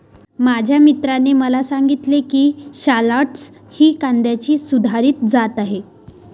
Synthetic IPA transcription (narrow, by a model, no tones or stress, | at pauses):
mad͡ʑʱjamit̪ɾaneməlasaŋɡit̪lekiːɕalaʈs | hiːkand̪jat͡ɕiːsud̪ʱaɾiːt̪d͡zat̪aɦe